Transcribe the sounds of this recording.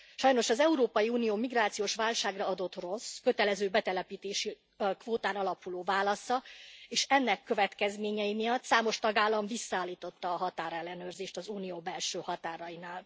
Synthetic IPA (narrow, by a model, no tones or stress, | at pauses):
ʃɒjno̞ʃɒzɛuɾoːpɒjiuːnijoːmiɡraːt̪sijoːʃʋaːlʃaːɡrɒɒd̪o̞t̪ro̞skø̞t̪ɛlɛzøːbɛt̪ɛlɛpiːt̪eːʃi | kvoːt̪aːnɒlɒpuloːvaːlɒsɒeːʃɛnːɛkːøvɛt̪kɛzmeːɲɛjimijɒt̪saːmo̞ʃt̪ɒɡaːlːɒɱvisːɒaːlːiːt̪o̞t̪ːɒːɦɒt̪aːɾɛlːɛnøːrzeːʃt̪ɒzuːnijoːbɛlʃøːhɒt̪aːɾɒjinaːl